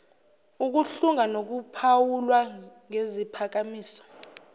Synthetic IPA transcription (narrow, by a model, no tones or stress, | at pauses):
uk̬uɬuŋanok̬upʰawulwaŋezipʰak̬amiːsɔ̥